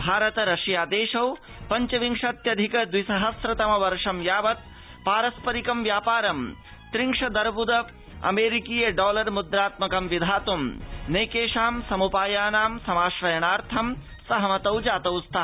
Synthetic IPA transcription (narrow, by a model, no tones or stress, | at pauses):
bʱaːɾɐt̪ɐɾɐʂijaːd̪eːʃɐw | pɐɲt͡ʃɐʋiŋʂɐt̪jɐd̪ʱikɐd̪wisɐɦɐsɾɐt̪ɐmɐʋɐɾʂɐmjaːʋɐt̪̚ | paːɾɐspɐɾikɐmʋjaːpaːɾɐm | t̪ɾiŋʂɐd̪ɐɾbud̪ɐ | ɐ̰meːɾikiːjɐɖɔːlɐɾmud̪ɾaːt̪mɐkɐmʋid̪ʱaːt̪umneːkeːʂaːmsɐmupaːjaːnaːmsɐmaːʃɾɐjɐnaːɾt̪ʰɐm | sɐɦɐmɐt̪ɐwd͡ʒaːt̪ɐwst̪ʰaː